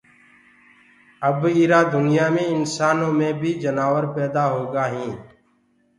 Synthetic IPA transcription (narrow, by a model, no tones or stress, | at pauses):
əbiːɾaːd̪ʊnɪjaːmẽːɪnsaːnõːmẽːbʱiːd͡ʒənaːʋəɾpɛːd̪aːɦoːɡaːɦĩː